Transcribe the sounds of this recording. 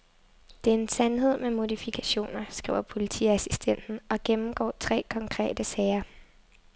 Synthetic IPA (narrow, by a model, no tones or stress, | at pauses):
d̥e̝æe̝nsænhe̝ð̞̰ˠmemo̝ðˠifikʰæɕo̝̰ːnɐsɡ̥ʁḭːʊɐpʰo̝lit͡sʰḭæsisd̥en̰d̥n̩ɒ̽ɡ̥emm̩ɡ̥ɒ̰ːt͡sʰʁɛ̰ːkʰɒ̽ŋkʰʁɛ̰ːd̥əsɛːɪɐ